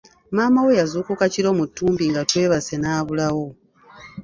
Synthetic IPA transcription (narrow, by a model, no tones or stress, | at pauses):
maːmawe̞jazuːkukaciɾo̞mutːuːmbiŋɡatwe̞ːβase̞naːβulawo̞